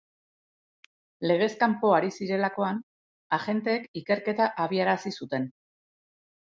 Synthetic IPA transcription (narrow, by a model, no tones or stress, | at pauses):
le̞ɣ̞e̞skampo̞aɾisiɾe̞lako̞an | aʝe̞nt̪e̞ːkike̞ɾke̞t̪aʔaβ̞iaɾasisut̪e̞n